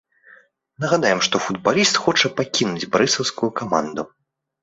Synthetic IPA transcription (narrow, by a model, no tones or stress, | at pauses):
nɐɣad̪ajɛmʂt̪ɔfud̪̚balʲist̪xɔt͡ʂɐpakʲinud͡zʲbɾɨsɐwskujukama̰nd̪u